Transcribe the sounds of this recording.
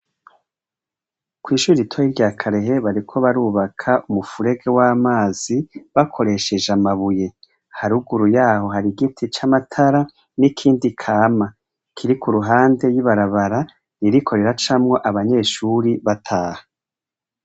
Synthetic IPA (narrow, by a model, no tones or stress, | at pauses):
kwiːʃuiitʰojiɾɟaːkʰaɾe̞ɦe̞βaɾikʰo̞βaɾuːβakʰaʔumufuɾe̞ɡewaːmaːz̥iβakʰo̞ɾe̞ʃe̞ʒamaβuje̞ | haɾuɡuɾujaːɦo̞ɦaɾiɡitʰit͡ʃamatʰaɾa | nikʰiːndikʰaːma | kʰiɾikuɾuɦaːnde̞jiβaɾaβaɾa | niɾikʰo̞ɾe̞ɾat͡ʃaːmŋo̞ʔaβaɲe̞ːʃuɾiβatʰaːhḁ